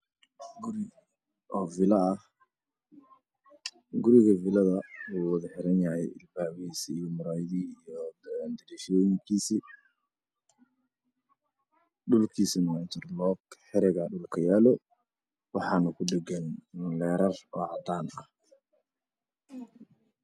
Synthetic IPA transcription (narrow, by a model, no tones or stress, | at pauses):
ɡʊɾɪ | ʔɔːvɪlɐː | ɡʊɾɪɣɐvɪlɐðɐwuwɑðɐħɪɾɐnjɐhɛjɪ̰lbaːwisːjɔmʊɾaːjðiijɔnd̪ɐliːʃɔːjɪŋkʰiːsi | ɖʊlkʰiːsinat͡ʃɪrlɔːkħɛɾɛɣɐɖʊlkʰɐjaːlɔ | wɑħɑːnɐkʰʊɖɛɡɛnlɛːɾɐrɔːʕɑd̪aːnɐh